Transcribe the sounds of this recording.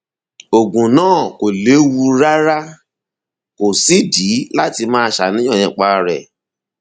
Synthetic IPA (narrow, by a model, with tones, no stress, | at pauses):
o˨ɡũ˨nãː˦˨ko˨le˨˦wu˧ɾa˦ɾa˦ | ko˨si˦di˨˦la˦ti˧mãː˦˧ʃa˨nĩ˦ɔ̃˦˨ɛ̃˧˦k͡pa˧ɾɛ̰˨